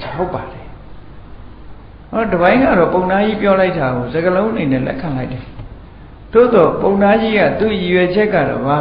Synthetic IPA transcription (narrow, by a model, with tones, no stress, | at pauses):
ɦo˦ʊpːa˨ɾɛ˨ | nɔ˦dəbã˦ɪ̃ŋɡa̰˦˨ɾɔ̰˦˨põ˨ʊ̃nda˦ji˦pjɔ˦la˦ɪtʰːa˨ɡo˨zə˨ɡəlõ˦ʔə˦ne˨nɛ̰˦˨lɛ̰˦kʰã˨la˦ɪtɛ˨ | d̥o̰˦˨d̪ɔ˨põ˨ʊ̃nda˦d͡ʑi˦ɡä̰˦˨t̪ṵ˦˨ji˨jwɛ˨d͡ʑɛ˦ʔkːä̰˦˨dɔ̰˦˨ba˨